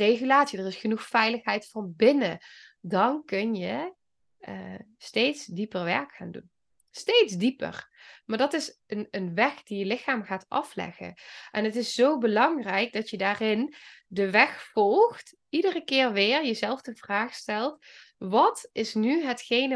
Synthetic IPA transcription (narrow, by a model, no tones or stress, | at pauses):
rejɣylaːtsidərɪsχənuxfɛjləxɦɛjtfɑnbɪnə | dɑnkɵnjə | stejtsdipərʋɛ̰ɹkxaːndṵn | stejtzdipə̰rmaːɹdɑtɪsənənʋɛxd̥ijəlɪxaːmɣaːtɑflɛ̰ɣə̰ʔɛnətɪszowbəlɑŋrɛjk̚dɑtjədaːrɪndəʋɛxfɔlˠxt | idərəkɪːɹʋɪːɹjəzɛlˠvdəv̥raːχstɛlˠtʋɑtɪsnyɦətxejnə